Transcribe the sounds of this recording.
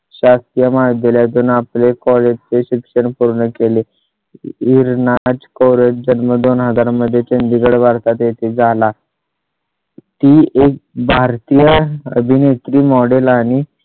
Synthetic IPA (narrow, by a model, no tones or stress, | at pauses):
ɕast̪ijəmad̪eljad͡zunaplekɔled͡ʑt͡seɕikʂəɳpuɾɳəkele | iɾnad͡zkowɾed͡ʑd͡ʑənməd̪onɦəd͡zaɾməd̪ʱːjet͡ɕənd̪iɡəɽʋaɾt̪at̪jet̪ʰed͡zʱala | t̪iʔek̚bʱaɾt̪ijəəbʱinet̪ɾiːmɔɽelaɽ̃i